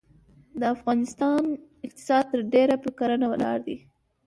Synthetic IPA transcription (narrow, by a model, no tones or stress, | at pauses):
d̪əafɣɑnɪst̪ɑn | ɪq̚t̪ɪ̥sɑd̪̚t̪əɾɖeɾapəkaɾənawalɑ̰ɾd̪i